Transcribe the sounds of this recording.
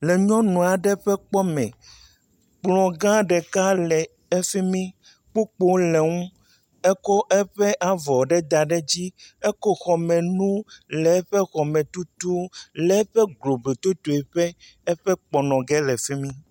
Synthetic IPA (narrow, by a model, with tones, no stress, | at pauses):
lɛ˨ɲɔ̃˦nũ˨a˨ɖɛ˦ɸɛ˦k͡pɔ˦mɛ̰̃˨ | k͡plɔ̃˨ɡã˦ɖɛ˨ka˦lɛ˨ | ɛ˦fi˦mĩ˦ | k͡po˦k͡po˦lɛ˨ŋũ˦ | ɛ˦kɔ˦ʔɛ˦ɸɛ˦ʔa˨vɔ˨ɖɛ˦d̪a˨ɖɛ˦d͡ʑi˦ɛ˦kɔ˦xɔ˨mɛ̃˨nũ˦lɛ˨˦ɸɛ˦xɔ˨mɛ̃˨t̪u˦t̪u˦lɛ˨˦ɸɛ˦ɡlo˨be˨t̪o˦t̪o˨e˨ɸɛ˦ | ɛ˦ɸɛ˦k͡pɔ˨nɔ̃˨ɡɛ˦lɛ˨fi˦mĩ˦